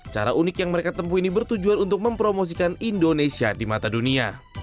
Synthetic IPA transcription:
t͡ʃa̰ɾa̰ʔunɪkjaŋməɾekat̪əmpuinibərt̪ud͡ʒuanunt̪ʊk̚məmpɾomos̬ikanindonesiadimat̪adunia̰

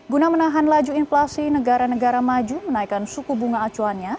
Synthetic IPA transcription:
ɡunamənaɦanlad͡ʒuinflasinəɡaɾanəɡaɾamad͡ʒumənaikansukubuŋaːt͡ʃuanɲa

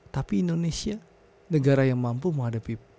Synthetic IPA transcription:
t̪apiːndonesia | nəɡaɾajaŋmampuməŋadapi

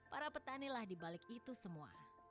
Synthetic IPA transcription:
paɾapət̪anilahdibalɪkit̪usəmua̰

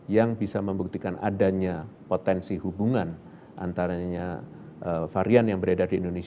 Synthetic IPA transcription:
jaŋbisaməmbuk̚t̪ikanʔa̰daɲapot̪ɛnsihubuŋan | ʔa̰nt̪aɾaɲa | ʔəfaɾianjaŋbəɾedadiːndones

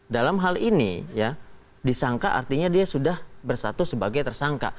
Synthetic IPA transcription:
dalamɦalinḭja | disaŋkaʔa̰rt̪iɲadiasudahbərsat̪usəbaɡajt̪ərsaŋka̰

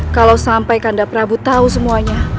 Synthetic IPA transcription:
kalawsampajkandapəɾabut̪aus̬əmuaɲa

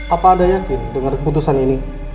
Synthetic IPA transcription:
apaːdajakidəŋarput̪usanini

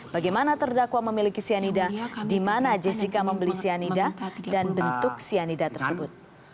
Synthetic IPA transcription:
b̥aɡajmanat̪ərdakwaməmilikisianidadimanad͡ʒɛsikaməmbəlisianidadanbənt̪ʊk̚sianidat̪ərsəbʊt̪̚

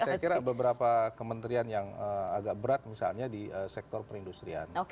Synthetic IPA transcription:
sajakiɾabəbəɾapakəmənt̪ɾianjaŋəaɡaʔ̚bəɾat̪̚misa̰lɲadiʔəsɛk̚t̪ɔrpəɾindust̪ɾia̰no

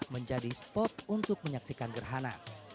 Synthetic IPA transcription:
məɲd͡ʒadispɔt̪̚unt̪ʊk̚məɲak̚sikanɡərɦana̰

